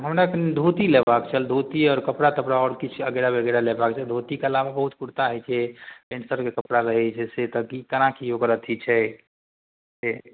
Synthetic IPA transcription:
ɦəmɾaknd̪ʱut̪ilebakt͡ʃʰəld̪ʱut̪iɔːɾkəpɽat̪əpɽaɔːɾkit͡ʃʰəɡeɾabʱəɡəɾalebakt͡ʃʰəd̪ʱut̪ikeəlababəɦut̪̚puɾt̪aɦɛjt͡ʃʰepensəɾkekəpɽaɾəɦɛt͡ʃʰɛset̪əkikənakʰiokəɾət̪ʰit͡ʃʰɛ | se

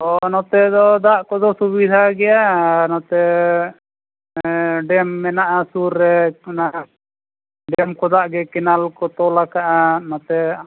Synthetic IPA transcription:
ɔnɔt̪ɛd̪ɔd̪aʔkɔd̪ɔsubid̪ʱaɡɛjanɔt̪ɛ | ɖɛmːɛnaʔasuɾːɛnaʔ | ɖɛmkɔd̪aʔɡɛkɛnalkɔt̪ɔlakaʔanɔt̪ɛ

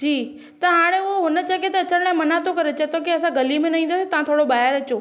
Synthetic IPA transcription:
d͡ʒʰiː | t̪ɐɦaːɽ̃ẽʊɦoɦʊnə̆t͡ɕɐket̪ɐːt͡ɕəɽɽ̃ɛ̃mɐnaːt̪okɐɾet͡ɕɐt̪okiɐsãɡɐlimẽnɐĩnd̪aset̪ɐʋãt̪ʰoːɽobaːɦɪɾɐt͡ɕoː

